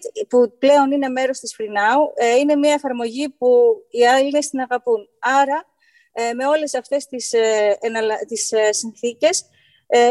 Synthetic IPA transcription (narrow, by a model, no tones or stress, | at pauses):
puple̞o̞nine̞me̞ɾo̞st̪isfɾinɐuine̞miɐefɐɾmo̞ʝipuiɐline̞st̪inɐɣɐpunɐɾɐ | me̞o̞le̞sɐft̪e̞st̪isenɐlɐt̪issinθice̞s